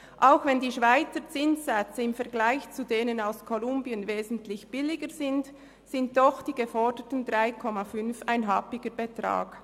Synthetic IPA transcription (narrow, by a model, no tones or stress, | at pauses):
ʔaʊxvɛndiːʃv̥aɪt͡sət͡sɪnsːɛt͡səɪmfɛɐɾɡlaɪçt͡sudeːnənaʊskʰɔlʊmbiənveːzn̩tlɪçb̥ɪlɪɡəzɪnt | sɪnt̚d̥ɔxd̥iːɡefɔɹdətn̩dʁaɪkʰɔmafʏnfaɪnɦapɪɡəbetra̰ːɡ̥